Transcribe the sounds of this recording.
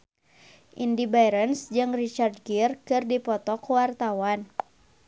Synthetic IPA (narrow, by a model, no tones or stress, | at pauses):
ʔindibajɾənsd͡ʒɨŋrit͡ʃard̚ɡirkɨrdipɔt̪ɔkwart̪awan